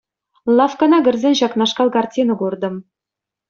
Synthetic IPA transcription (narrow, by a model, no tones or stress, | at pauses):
lˠɑfkɑnɑɡʲɘ̆rzʲenʲɕɑknɑʂkɑlˠkɑrtʲinŏkurd̪ɤ̆m